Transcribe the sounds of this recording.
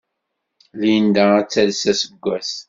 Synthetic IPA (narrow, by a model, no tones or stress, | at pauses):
liənd̪ææt͡sːælsæsəɡʷːæs